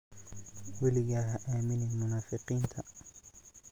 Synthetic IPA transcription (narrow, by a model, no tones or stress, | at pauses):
wɛlɪɣaɦɐʔaːmɪnɪmʊnaːfɪqiːnt̪ʰɐ